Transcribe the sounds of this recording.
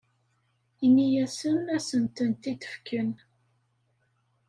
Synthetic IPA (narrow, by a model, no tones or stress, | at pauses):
inijæsənæsənt̪ənt̪it̪ə̥fkən